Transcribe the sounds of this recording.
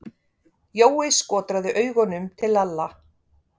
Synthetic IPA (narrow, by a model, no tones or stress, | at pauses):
joːwɪskɔːt̪ɾaðʏʔœːɥɣɔnʏmt̪ʰɪlalːa